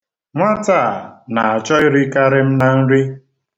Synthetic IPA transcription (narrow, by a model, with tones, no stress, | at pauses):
ŋʷa˦ta˦˨na˨a˨t͡ʃɔ˦ɪ˦ɾi˦ka˦ɾɪ˦m̩˦na˨n̩˦ɾi˦